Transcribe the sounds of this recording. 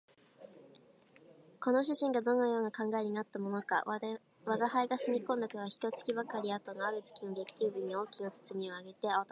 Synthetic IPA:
ko̞no̞ɕ̬ɨʑĩŋɡad̪o̞no̞jo̞ːnakãŋɡaeɲ̟inat̪ːamo̞no̞ka̰ | βaɡahaiɡasɨmʲikõ̞nd̪ak̪aɡaçi̥t̪o̞t͡sɨ̥kʲibakaɾʲiat̪o̞noaɾɯ̟t͡sɨ̥kʲinoɡe̞kʲːɨːbʲiɲ̟io̞ːkʲinat͡sɨ̥t͡sɨmʲio̞aɡe̞t̪e̞aat̪

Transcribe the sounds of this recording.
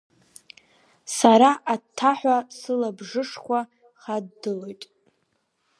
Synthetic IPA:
saɾaʔatʰːaħʷasɨlabʐɨʂχʷa | χadːɨlojtʼ

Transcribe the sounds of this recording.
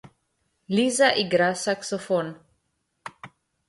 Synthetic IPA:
lizaʔiɡɾasaksofon

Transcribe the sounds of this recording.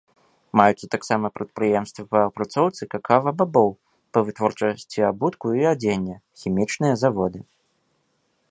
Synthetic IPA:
majut̪sɐt̪aksamɐpɾɐt̪̚pɾɨjɛmst̪vipɐːpɾat̪sɔwt̪sɨkakʰavɐbabɔw | pɐvɨt̪vɔrt͡ʂasʲt͡sʲiabut̪kuiad͡zʲenʲːɐxʲimʲit͡ʂnɨjɐzavɔd̪ɨ

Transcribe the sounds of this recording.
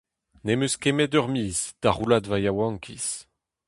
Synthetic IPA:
nemøskemɛdœʁmiːzd̪̥aʁulad̪vajawɑ̃ŋkʰis

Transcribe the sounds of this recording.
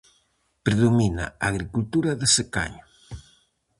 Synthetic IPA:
pɾeðomina̰aɣɾikult̪uɾaðeseka̰ɲo

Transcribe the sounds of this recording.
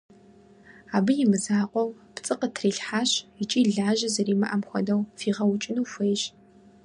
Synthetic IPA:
aːbɨjɪmɨzaːqʷʼɔwpt͡sʼɨqətʰriːɬħaːɕɪt͡ʃʼiːɮaːʒɐzɐriːmɐʔɐmxʷɔ̰dɐwfiːʁɐwʊt͡ʃʼɪnuːfʷejɕ

